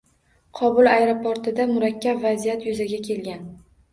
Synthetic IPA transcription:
qʰɒbʊlˠajɾopoɾt̪ɪd̪amʊɾakʲːabvazijat̪ʰjʊzaɡʲakʲʰe̞lɡʲan

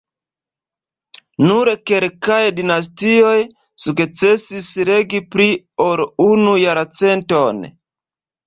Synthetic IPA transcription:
nuɾke̞lkajdinas̬tio̞j | sukt͡se̞sisɾe̞ɡipɾi | oɾunujaɾt͡se̞nto̞n

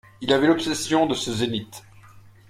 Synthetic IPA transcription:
ilavɛlɔpsesjɔ̃d̪əsəzenit̪

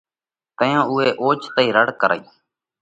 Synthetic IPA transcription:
t̪əjãːuːeːʔoːt͡ʃt̪əiːɾəɽkəɾə̰iː

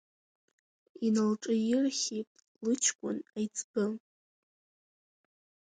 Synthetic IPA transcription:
inalʈ͡ʂʼɨjɪrχʲipʼ | lɨt͡ʃʰkʷʼʊnajt͡sʰbɨ

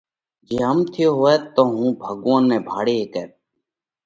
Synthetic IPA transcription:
d͡ʒeːɦəmt̪ʰɪjoːɦoːɛːt̪ːoːɦũːbʱəɠʋə̃nːɛ̃ːbʱaːɽeːɦeːkɛːt̪

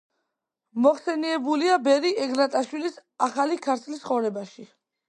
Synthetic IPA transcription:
mɔχsɛniɛbuliabɛɾiɛɡnat̪ʼaʃwilisaχalikʰaɾt̪ʰlisχɔvɾɛbaʃi

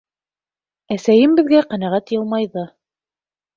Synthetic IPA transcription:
æsæjɘmbɘ̆ðɡæqænæʁæt̪jɤlˠmɑjðɤ

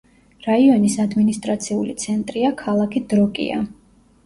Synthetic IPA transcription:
ɾaiɔnisad̪minist̪ʼɾat̪sʰiulḭt̪sʰɛnt̪ʼɾiakʰalˠakʰid̪̥ɾɔkʼḭa̰

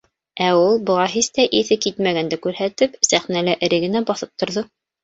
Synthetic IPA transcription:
æulˠbɤ̆ʁɑɦist̪æʔiθɘkit̪mæɡænd̪ækʉɾɦæt̪ɘpsæχnælɘʔɘ̆ɾɘ̆ɡɘ̆næbɑθɤp̚t̪ŏɾðɤ

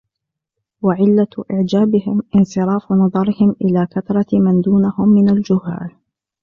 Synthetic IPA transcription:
waʕɪlːaʔɪʕd͡ʒaːbɪhɪmʔɪnsɨɾˤɑːfnɑðˤɑɾɪhɪmʔɪlaːkat̪ɾˤɑmand̪uːnahʊmːɪnald͡ʒʊhːa̰ːl

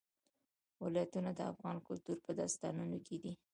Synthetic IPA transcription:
wɪlɑjat̪unad̪əa̰fɣɑnkʊlt̪uɾpəd̪ɑst̪ɑ̰nunokʰed̪i

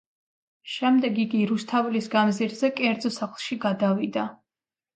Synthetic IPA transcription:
ʃɛmd̪ɛɡikʼiɾust̪ʰavulisɡamziɾzɛkʼɛɾd̪zɔsaχlˠʃiɡad̪avid̪a

